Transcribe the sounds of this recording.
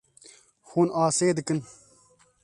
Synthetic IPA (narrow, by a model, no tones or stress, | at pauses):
xuːnaːseːd̪ɨkɨn